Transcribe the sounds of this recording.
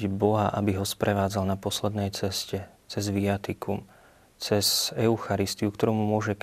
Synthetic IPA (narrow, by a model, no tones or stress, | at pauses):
bɔɦaʔabiɦɔspɾɛʋaːd͡zalnapɔslɛd̪nɛjt͡sɛscɛ | t͡sɛzʋiat̪ikum | t͡sɛzɛʊxaɾist̪iukt̪ɔɾuːmumʊɔʒɛk